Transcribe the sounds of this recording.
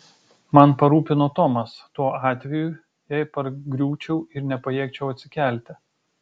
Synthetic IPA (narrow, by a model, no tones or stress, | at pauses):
mɐnpɐɾuːpʲɪnoːt̪ɔmɐst̪uɔɑːt̪ʲʋʲɛju | jɛjpɐɾɡɾʲuːt͡ʃʲɛʊɪɾnʲɛpɐjiɛkt͡ʃʲɛʊɐt̪ʲsʲɪkʲæˑlʲt̪ʲɪ